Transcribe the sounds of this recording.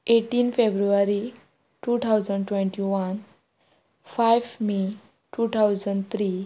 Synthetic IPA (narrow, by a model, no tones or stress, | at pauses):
eʈiːnfebɾuʋaɾi | ʈut̪ʰawd͡zəɳɖʈʋẽɳʈiʋan | fajʋmi | ʈut̪ʰawzəɳɖt̪ʰɾi